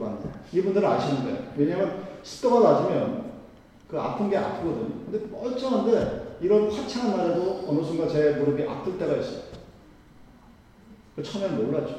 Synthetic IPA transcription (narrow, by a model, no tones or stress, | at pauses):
aɲeibundɯɾɯaɕʰinːnde̞̰weɲamɯnsʰɯ̥t͈oɡanad͡ʑimjʌn | kɯa̰pʰɯnɡe̞a̰pʰɯɡʌdɯɲo̰kɯndepʌɭt͡ɕ͈ʰʌɦandeiɾʌnkʰat͡ɕʰaŋanaedoʌnʌs̬ʰɯnɡat͡ɕe̞muɾɯɡeʔa̰tʰɯɭt͈e̞ɡais͈ʌ̥ | kɯt͡ɕʰʌmjʌnmoɭːat͡ɕ͈o̥